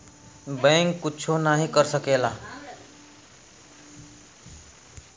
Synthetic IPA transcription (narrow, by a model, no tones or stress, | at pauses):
bɛ̃ŋkːʊt͡ʃʰonaɦĩkəɾsəkeːlaː